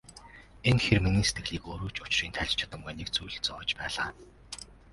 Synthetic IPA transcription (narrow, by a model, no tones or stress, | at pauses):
enxerminiːnset̪ɡɘ̆ɮiːkoːɾuːt͡ɕʊt͡ɕriːnt̪ʰæɮʲt͡ɕʰḁt̪ə̆mɢæːneːk̚t͡sujɮɘ̆t͡sɔːt͡ɕpæːɮaː